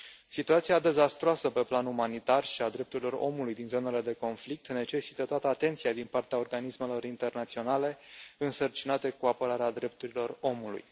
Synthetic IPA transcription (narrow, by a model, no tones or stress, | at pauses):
sit̪uat̪siad̪e̞zast̪ɾoasəpe̞planumanit̪arʃiad̪ɾe̞p̚t̪uɾilo̞ro̞̰mulujd̪inzo̞ne̞le̞d̪e̞ko̞nflik̚t̪ne̞t͡ʃe̞si̥t̪ət̪oat̪əat̪e̞nt̪sijad̪inpart̪eao̞rɡanisme̞lo̞ɾint̪e̞rnat̪sio̞nale̞ɨnsərt͡ʃinat̪ekuapəɾaɾead̪ɾe̞p̚t̪uɾilo̞ro̞mulṵj